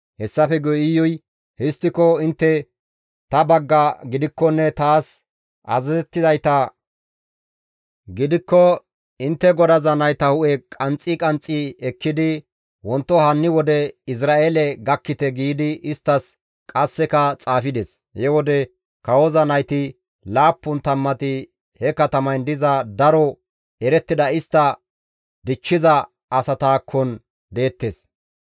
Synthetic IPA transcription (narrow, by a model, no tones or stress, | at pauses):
hɛsːɐfɛɡɔɪjɔj | hɪst̪ːɪkɔɪnt̪ːɛ | t̪ɐbɐɡːɐɡɪd̪ɪkːɔnːɛt̪aːs | ʔɐ̰zɐzɛt̪ːɪzɐjt̪ɐ | ɡɪd̪ɪkːɔ | ɪnt̪ːɛɡɔd̪ɐzɐnɐjt̪ɐhʊʔɛkʼɐnt͡sʼɪkʼɐnt͡sʼːiɛkːɪd̪ɪ | wɔnt̪ːɔhɐnːɪwɔd̪ɛɪs̬ɾaːʔelɛɡɐkːɪt̪ɛɡiːd̪ɪɪst̪ːɐs | kʼɐsːɛkɐt͡sʼaːfɪd̪ɛs | hɛwɔd̪ɛ | kɐwɔzɐnɐjt̪ɪ | laːpːʊnt̪ɐmːɐt̪ɪ | hɛkɐt̪ɐmɐjnd̪ɪzɐd̪ɐɾɔ | ɛɾɛt̪ːɪd̪ɐɪst̪ːɐ | d̪ɪt͡ʃːɪzɐ | ʔɐsɐt̪aːkʰːɔn | d̪e̞ːt̪ːes